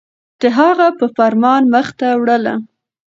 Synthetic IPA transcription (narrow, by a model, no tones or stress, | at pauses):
d̪̥əɦaɣapəfaɾmɑnməxt̪awɽəla̰